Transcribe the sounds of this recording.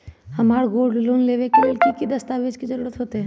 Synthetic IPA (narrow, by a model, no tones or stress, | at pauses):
həmaːɽɡoːɖloːnleʋekelelkikid̪ɐst̪aʋed͡ʒkid͡ʒəɾɽət̪ɦot̪e